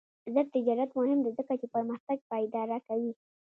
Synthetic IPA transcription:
zəɾ̚t̪ɪd͡ʒɑɾat̪mʊɦɪmd̪ezəkat͡ʃepəɾməxt̪aɡ̚pɑjd̪ɑɾakawi

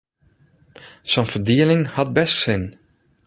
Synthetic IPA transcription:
sonvərdiəlɪŋhɑt̚bɛstsɪn

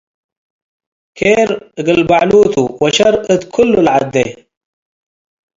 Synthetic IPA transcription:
kʰeɾɡəlbaʕluːt̪uwaʃaɾət̪kʰʊlːulʕa̰d̪ːe

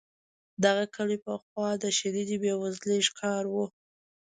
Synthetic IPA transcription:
d̪aɣakəlepəxwɑd̪əʃaɾid̪ibjewazleʃkʰɑɾwu

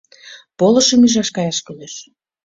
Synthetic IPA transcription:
polɤ̆ʃəmyʒɑʃkɑjɑʃkøleʃ

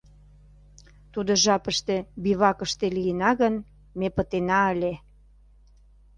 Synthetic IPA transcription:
t̪ud̪oʒɑpəʃt̪e̽biβɑkəʃt̪elijənɑɣən | mepə̆t̪enɑəlʲe

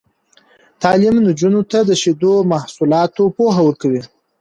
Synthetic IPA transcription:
t̪ɑlɪmnod͡ʒunot̪ad̪əʃed̪omahsulɑt̪opoɦawəɾkawi

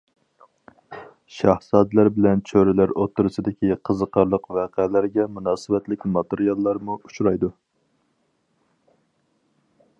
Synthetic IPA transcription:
ʃɑhsɑd̪læɾbɪlɛnt͡ʃʰøɾɪlæɾot̪ʰːɨɾɨsɨd̪ɪkʲiqʰəzəqʰɑɾlˠəqvæqʰælæɾɡʲɛmunɑːsɨbɛt̪lɪkʲmɑt̪eɾijɑlˠːɑɾmuut͡ʃuɾɑjd̪u

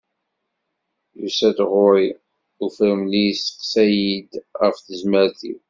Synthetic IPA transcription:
jṵsæd̪ʁʊɾi | ufɾəmlijsə̥qsæjid̪ʁəfθəzməɾθḭw

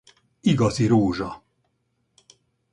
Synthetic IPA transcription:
iɡɒziɾoːʒɒ

